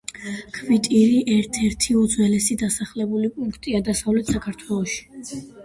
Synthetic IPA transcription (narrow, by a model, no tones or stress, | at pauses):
kʰvit̪ʼiɾiʔɛɾt̪ʰɛɾt̪ʰiud̪zwɛlɛsid̪asaχlɛbulipʼuŋkʰt̪ʼiad̪asavlɛt̪ʰsakʰaɾt̪ʰwɛlˠɔʃi̥